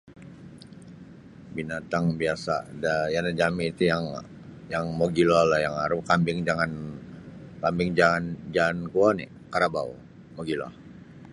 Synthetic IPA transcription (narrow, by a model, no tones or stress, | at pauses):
binat̪aŋbiasa̰dajanad͡ʒamiːt̪ujaŋ | jaŋmoɡilɔlahjaŋaɾukambɪŋd͡ʒaŋan | kambɪŋd͡ʒaŋand͡ʒankuani | kaɾabau | moɡilɔ̰h